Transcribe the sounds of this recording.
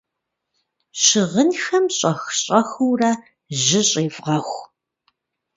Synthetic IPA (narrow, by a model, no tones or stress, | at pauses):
ɕɪʁənxɐmɕʼɐxɕʼɐxɨwrɐː | ʑɪɕʼeːvʁɐxʷ